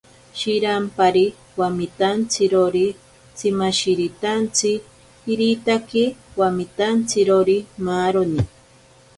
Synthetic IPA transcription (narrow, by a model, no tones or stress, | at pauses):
ʃiɾampaɾi | wamit̪ant͡sɪɾoɾi | t͡sɪmaʃiɾit̪ant͡sɪː | ɾit̪akɪwamit̪ant͡sɪɾoɾimaɾoni